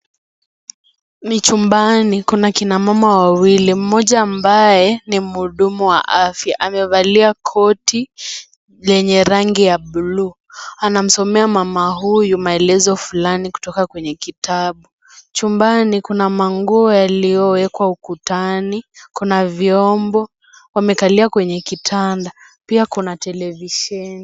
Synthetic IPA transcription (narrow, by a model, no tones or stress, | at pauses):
mit͡ʃumbanikunakinamamawawilim̩mɔʄaːmbajɛnim̩uɗumuwa̰ʔafjaʔamɛvaliakʰɔti | lɛɲɛɾaŋɡijaɓuluː | anam̩sɔmɛamamaɦujumaɛlɛzɔfulaniku̥tɔkakwɛɲɛkitaɓu | t͡ʃumbanikunamaŋɡuɔjalijɔwɛkwaukutanikunaviɔmbɔ | wamɛkaliakwɛɲɛkitʰanda | piakunatɛlɛviʃɛni